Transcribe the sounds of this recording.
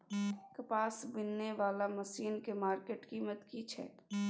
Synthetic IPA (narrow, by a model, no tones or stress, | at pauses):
kɐpaːsbɪnːeʋaːlamɐsiːnkemaːɾkeːʈkiːmət̪kit͡ʃʰɛ̰ːk